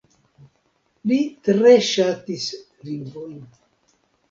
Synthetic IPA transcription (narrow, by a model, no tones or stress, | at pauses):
litɾeʃatis | liŋvojn